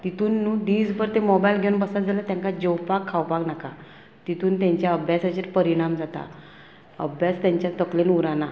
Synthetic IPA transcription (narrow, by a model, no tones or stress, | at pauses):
t̪it̪uːnːuːd̪iːd͡zbəɾt̪emɔbajlɡʱewnbəsad͡zalat̪jãŋkad͡ʑewpakʰːawpaknaka | t̪it̪uːnt̪jãɲt͡ɕjaəbʱjasat͡ɕeɾpəɾiɽ̃amd͡zat̪a̰ | ə̰bʱjast̪jãɲt͡ɕjat̪əklenuɾana